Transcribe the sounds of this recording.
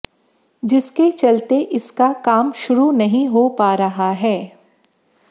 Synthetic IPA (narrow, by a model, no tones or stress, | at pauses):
d͡ʒɪsket͡ʃɐlt̪eʔɪskakaːmʃʊɾunɐɦĩɦopaːɾɐɦaɦɛː